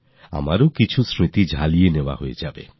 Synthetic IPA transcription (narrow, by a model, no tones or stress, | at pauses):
a̰maɾokit͡ɕʰusɾit̪id͡ʑʱalieneoa̰hoḛd͡ʑabḛ